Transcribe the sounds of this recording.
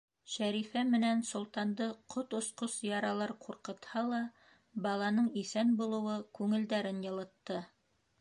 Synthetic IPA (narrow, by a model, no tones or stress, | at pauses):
ɕæɾifæmɘ̆nænsŏlˠt̪ɑnd̪ɤqʰot̪ŏsqosjɑɾɑlˠɑɾqʰuɾqɤ̆t̪hɑlˠɑ | bɑlˠɑnɤɴisænbulˠɤ̆wɤkʉŋɘ̆ld̪æɾɘnjɤ̆lˠɤ̆t̪ːɤ